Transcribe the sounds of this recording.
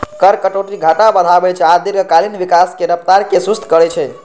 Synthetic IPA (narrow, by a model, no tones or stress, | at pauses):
kəɾkəʈoʈiɡʱaʈabəd̪ʱabɛt͡ʃʰɛad̪iɾɡʱəkalinʋikaskeɾəpt̪aɾkesust̪ʰkəɾɛt͡ʃʰɛ